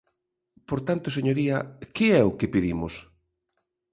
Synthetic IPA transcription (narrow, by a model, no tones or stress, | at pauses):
poɾt̪ant̪ʊseɲoɾiɐkɪɛʊkɪpiðimʊs